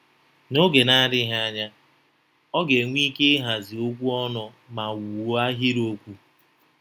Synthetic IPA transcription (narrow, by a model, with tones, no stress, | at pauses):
no˦ɡe˨na˦ɾɪ˦ɦa˦a˦ɲa˦ | ɔ˦ɡe˨ŋʷ˦i˦ke˦ɦa˨zi˨o˦kʷu˦ɔ˦nɔ˨ | ma˨wu˨wo˦a˦ɦi˦ɾo˦kʷu˦